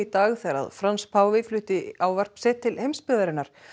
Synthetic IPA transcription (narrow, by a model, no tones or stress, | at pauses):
it̪aːɣθɛɾa̰ðfɾanspʰaːwvɪflʏːht̪ɪawvar̥psɛːt̪ʰːɪlhejmspɪːðaɾɪnːaɾ̥